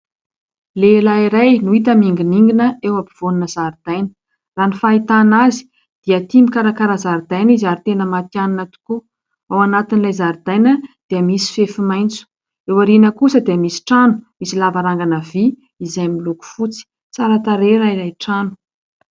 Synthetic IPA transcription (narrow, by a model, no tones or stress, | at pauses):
lelaiɾajnuit̪əmiŋɡiniŋɡinəewapi̥v̥onunəzaɾd̪̥ajnə̥ | ranifait̪anazi̥ | d̪̥iat̪imikaɾakaɾazaɾid̪ajnizaɾit̪enəmat̪janinat̪u̥ku | awanat̪inilajzaɾd̪ajnəd̪̥eəmisi̥fefimajnt͡su̥ | ewaɾinəkusəd̪iəmisi̥ʈ͡ʂanu̥misilavaɾaŋɡanavi | izajmiluku̥fut͡si̥ | t͡saɾat̪aɾeɾaiɾajʈ͡ʂanu̥